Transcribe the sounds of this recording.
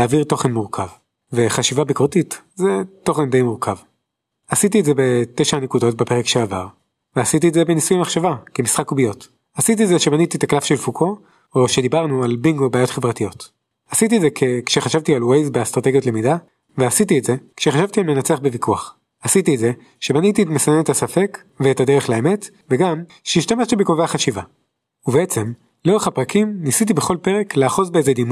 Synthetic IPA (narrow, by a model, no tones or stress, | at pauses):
aːviʁto̞χenmuʁkʰav | ve̞χaʃivabikoʁtit | zeto̞χendejmuʁkʰav | asit̬ietzebe̞teʃaanekudo̞t̚bepeʁekʃeava̰ʁ | veasitietzebe̞nisujamaχʃavakemisχakubijo̞t | hasitizeʃebanitit̪aklafʃelfukʰo̞ | oʃe̞d̪ibaʁnualbiŋɡobaːjo̞tχe̞vʁatijo̞t | asit̬ietzekʰekʃeχaʃavtialwejzbeast̪ʁateɡjo̞tle̞mida | veasit̬ietze̞kʃeχaʃavt̪ialme̞nat͡seaχbevikʰuaχ | asitietze̞ | ʃe̞banitietmesanenetasafe̞k | veetade̞ʁeχlaeme̞t | veɡam | ʃeiʃtameʃtibeko̞veaχaʃiva | uveet͡se̞m | loʁeχhapʁakimnisit̬ibe̞χo̞lpe̞ʁe̞kleaχo̞zbeezed̪imu